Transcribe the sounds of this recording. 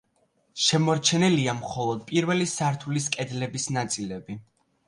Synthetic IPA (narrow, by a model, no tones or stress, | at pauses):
ʃɛmɔɾt͡ʃʰɛnɛliamχɔlˠɔd̪̚pʼiɾvɛlisaɾt̪ʰuliskʼɛd̪lɛbisnat̪sʼilɛbi